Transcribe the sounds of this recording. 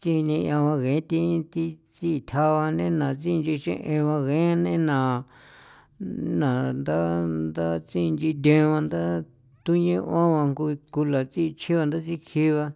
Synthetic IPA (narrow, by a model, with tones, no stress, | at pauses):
t͡si˦˧nĩ˧ʔã˧βã˧ɣẽ˨˦t̪i˧t̪i˦t͡si˦˧t̪ʲʰa˧βa˧nḛ̃˦nã˨t͡si˦˧nd͡ʒi˧ʃḛ̃˧ʔẽ˧βã˧ɣẽ˨˦nḛ̃˦nã˨ | nã˨nd̪a˦nd̪a˦t͡si˦˧nd͡ʒi˧d̪̬ʲẽ˧βã˧nd̪a˦ | t̪u˦ɲẽ˦˧ʔã˦βã˧ŋku˧i˧ku˧la˨t͡si˦˧t͡ʃʰi˦βa˧nd̪a˦t͡si˦kʰi˦βa˧